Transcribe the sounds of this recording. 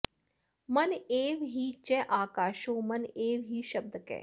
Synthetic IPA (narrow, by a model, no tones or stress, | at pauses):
mɐneːʋɦiːt͡ʃɛʔaːkaːʃoːmɐneːʋɦiːʃɐb̚d̪kɛ̰ː